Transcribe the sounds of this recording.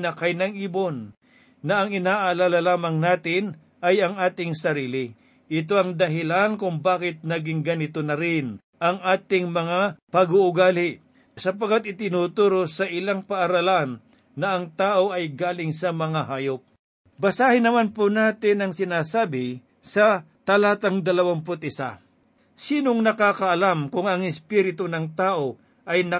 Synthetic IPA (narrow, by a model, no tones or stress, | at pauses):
nɐkɐjnɐŋʔiːbonː | ɐʔɐŋɪnaːʔɐlaːlɐlaːmɐŋnaːt̪ɪn | ʔɐjɐŋaːt̪ɪŋsɐɾiːlɪ | ʔɪt̪̬o̞ʔɐŋd̪ɐɦɪlankʊŋbaːkɪt̪̚nɐɡɪŋɡɐnɪt̪onɐɾɪn | ʔɐŋʔaːt̪ɪŋmɐŋapɐɡoʔʊɡaːlɪ | sɐpɐkat̪̚ɪt̪ɪnuːt̪uːɾosɐʔɪlaŋpɐʔːɾɐlanː | ɐʔɐŋt̪aːʔo̞ʔɐjɡaːlɪŋsɐmɐŋaɦaːjop̚ | bɐsaːhɪnɐmanponaːt̪ɪnɐŋsɪnaːsaːbɪ | sɐ | t̪ɐlaːt̪ɐŋd̪ɐlɐwampʊt̪ɪsa̰ | siːnoŋnɐkaːkɐʔɐlamkʊŋɐŋɪspiɾɪt̪onɐŋt̪aːʔo̞ | ʔɐjnɐ